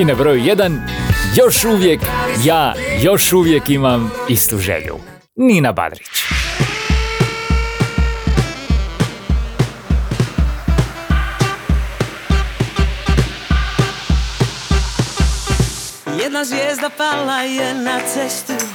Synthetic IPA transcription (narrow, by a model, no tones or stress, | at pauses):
inabɾojujed̪anjo̞ʃuʋjekjaːjo̞ʃuʋjekimamist̪uʒḛʎṵ | niːnaba̰d̪ɾit͡ʃ | jɛd̪naʒvjezd̪apalˠajɛnɐsɛʃt̪